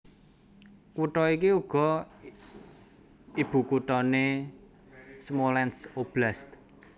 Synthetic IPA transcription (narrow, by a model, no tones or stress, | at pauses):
kuʈɔikiuɡ̥ɔ̤ | ib̥ṳkuʈɔne | smolɛnsob̥last̪